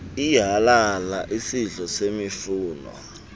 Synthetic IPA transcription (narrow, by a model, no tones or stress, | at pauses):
iɦalalaʔisiɮɔsemifuːnɔ̰